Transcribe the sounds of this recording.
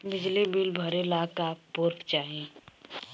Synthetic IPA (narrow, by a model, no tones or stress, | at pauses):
bɪd͡ʒlibilbʱɐɾɪlaːkapʊɾpt͡ʃaːɦẽː